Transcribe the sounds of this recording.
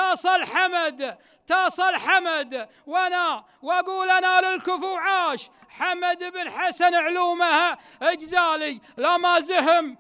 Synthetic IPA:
ɑːsˤɑlħamad̪ | t̪ɑːsˤɑlħamad̪ | wana | waɡuːlʔanalɪlkʊfuwʕaːʃ | ħamad̪ɪbnħasanʕluːmaha | ɪd͡ʒzaːlilamazaɦɪm

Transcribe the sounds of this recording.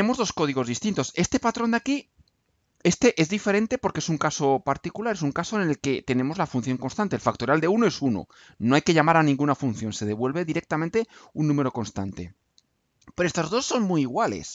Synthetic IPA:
emo̞zðo̞sko̞ð̞iɣo̞zðist̪int̪o̞se̞st̪e̞pat̪ɾo̞nd̪aki | e̞st̪e̞ʔe̞zðife̞ɾe̞nt̪e̞po̞ɾkeesuŋkaso̞paɾt̪ikulaɾe̞suŋkaso̞enelke̞t̪e̞ne̞mo̞zlafunθjo̞ŋko̞nst̪ant̪elfak̚t̪o̞ɾjald̪e̞unoe̞suno̞̰ | no̞ajke̞ʎamaɾanĩŋɡunafun̟θjo̞nse̞ð̞e̞βwe̞lβe̞ðiɾe̞k̚t̪amẽnt̪eunːũme̞ɾo̞ko̞nst̪a̰nt̪e̞̰ | peɾoe̞st̪ozðo̞sːo̞nmuiiɣwale̞̰s

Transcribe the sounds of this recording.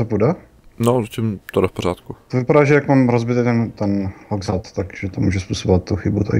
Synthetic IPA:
zapuda | nozacɪmt̪odafpoɾ̝aːt̪kut̪ovɪpadaːʒɛjakmaːmɾozbɪt̪ɛkt̪ɛnt̪ɛnloɡzat̪t̪akʒ̥ɛt̪omuːʒɛspusoboat̪̚t̪uxɪbut̪

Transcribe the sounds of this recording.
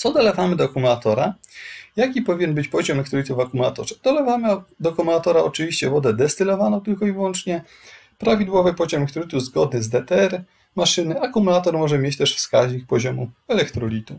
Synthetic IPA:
t̪ɔd̪ɔlɛvamɘd̪ɔakumulat̪ɔɾajakʲipɔvʲiɲɛnbɘt͡ɕpɔʑɔmɛlɛkt̪ɾɔlʲit̪uvakumula̰t̪ɔ̰ʐɛd̪̥ɔlɛvamɘd̪ɔkumulat̪ɔɾaɔt͡ʂɘvʲiɕt͡ɕɛvɔd̪ɛd̪ɛst̪ɘlɔvanɔw̃t̪ɘlkɔivwɔnt͡ʂɲɛ | pɾavʲid̪wɔvɘpɔʑɔmɛɛkt̪ɾɔlʲit̪uzɡɔd̪nɘzd̪ɛt̪ɛɛɾ | maʂɘnɘakumulat̪ɔɾmɔʐɛmʲjet͡ɕt̪ɛʂfskaʑɲikpɔʑɔmuɛlɛkt̪ɾɔlʲit̪u

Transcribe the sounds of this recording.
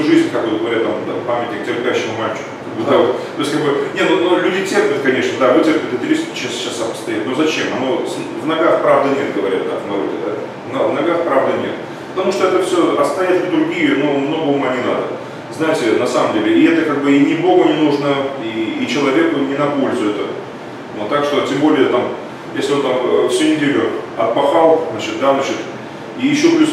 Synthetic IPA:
uʐɨzʲnʲkakvot̪ɡəvɐɾʲat̪t̪ːamd̪apamʲɪtʲnʲɪk̚tʲɪrpʲæɕːɪmʊmalʲt͡ɕɪ̥kʊkaɡ̚bɨd̪avot̪t̪o̞jsʲtʲkaɡbɨnʲenonolʲʉdʲɪtʲerpʲʊt̪̚kɐnʲe̞ʂnəd̪avɨtʲerpʲɪt̪ʲɪt̪ɾʲisʲt͡ɕːasɕasːɐmə̥st̪ɐjɛt̪nozɐt͡ɕemɐno̞svnɐɡaxpɾavd̪ənʲet̪ɡəvɐɾʲat̪̚ːakvnɐɾo̰dʲɪ̰d̪a | nɐvnɐɡaxpɾavd̪ənʲḛt̪ | pə̥t̪ɐmuʂt̪oɛt̪əfsʲoɐst̪ajʲɪt̪ʲɪd̪ɾʊɡʲijʊno̞mnoɡəomɐnʲina̰d̪ə | znajɪtʲɪnɐsaməmdʲelʲɪɪɛt̪əkaɡ̚bɨɪnʲɪbo̞ɡənʲɪnuʐnəiːt͡ɕɪlˠɐvʲe̞kʊnʲɪnɐpo̞lʲzʊɛt̪ə | not̪ːakʂt̪o̞tʲembo̞lʲɪjət̪am | jesʲlʲɪo̞nt̪amfsʲɵnʲɪdʲelʲʊɐt̪̚pɐxalˠznat͡ɕɪt̪d̪aznat͡ɕɪt̪ | ijɪɕːoplʲus

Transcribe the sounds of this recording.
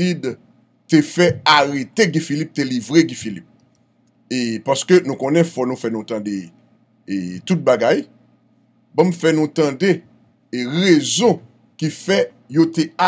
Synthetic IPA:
id | tefɛaɣet̪eɡĩfilip̚telivʁeɡĩfilip̚ | epaskønũkõnɛ̃fɔnũfɛnũt̪ãde | et̪ut̚baɡaj | bɔ̃m̩fɛnũt̪ãde | ʁezɔ̃ | kifɛ | jotea

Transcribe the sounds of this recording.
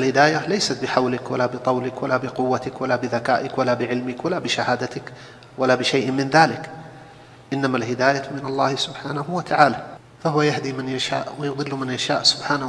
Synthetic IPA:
ʔalhɪd̪aːjalajsat̪̚bɪħawlɪkwalaːbɪt̪ˤɑwlɪkwalaːbɪqʊwːat̪ɪkwalaːbɪðakaːʔɪkwalaːbɪʕɪlmɪkwalaːbɪʃahaːd̪at̪ɪk | walaːbɪʃajʔmɪnðaːlɪk | ʔɪnːamalhɪd̪aːjamɪnɑlˤːɑːhsʊbħaːnahuwat̪ʰaʕaːla | fahʊwajahd̪iːmanjaʃa̰ːʔwajʊðˤɨlːmanjaʃaːʔsʊ̥bħaːna

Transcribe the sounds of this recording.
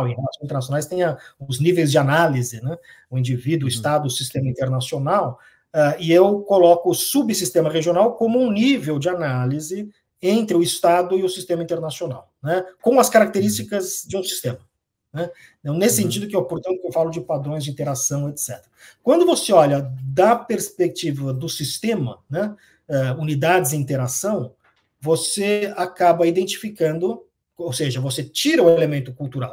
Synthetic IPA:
wẽhelasõzĩt̪eɾnasjonajst̪ẽj̃ɐʊznivejzd͡ʒɪanalizɪnɛ | ʊĩd͡ʒivid̪ʊʊist̪ad̪ʊʊsist̪ẽmɐĩt̪eɾnasionaw | ɛɪewkolɔkʊsubsist̪ẽmɐʁeʒiõnawkõmʊũnivewd͡ʒɪanalizɪ | ẽnt̪ɾɪʊist̪ad̪ʊɪʊsist̪ẽmɐĩnt̪eɾnasiona̰wnɛkõɐskaɾak̚t̪eɾist͡ʃikɐzd͡ʒɪũsi̥st̪ẽmɐ | nɛ | ɐ̃nesɪsẽnt͡ʃid̪ʊkɪewpoɾt̪ɐ̃nt̪ʊkewfalʊd͡ʒɪpad̪ɾõj̃zd͡ʒɪĩt̪eɾasɐ̃w̃et̪sɛ̰t̪eɾɐ | kwɐ̃nd̪ʊvoseɔʎɐd̪ɐpeɾspek̚t͡ʃivɐd̪ʊsist̪ẽmɐ̰nɛ | ɛunid̪ad͡ʒɪzɪĩnt̪eɾasɐ̃w̃ | voseakabɐid̪ẽnt͡ʃi̥fikɐ̃nd̪ʊ | owseʒɐvoset͡ʃiɾɐʊelemẽnt̪ʊkuwt̪uɾa̰w

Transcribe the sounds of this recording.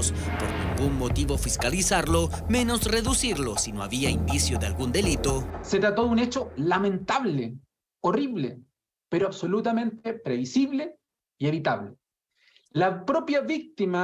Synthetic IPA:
spoɾnḭ̃ŋɡuŋmo̞t̪iβo̞fiskalisaɾlo̞mẽ̞no̞sre̞ðusiɾlosinoaβiaind̪isjoðea̰lɡund̪e̞lit̪ose̞t̪ɾat̪o̞ðunet͡ʃolamẽ̞nt̪aβle | oriβlḛ | peɾoaβso̞lut̪amẽ̞nt̪epɾeβisiβle | ieβit̪aβle | lapɾopjaβik̚t̪ima

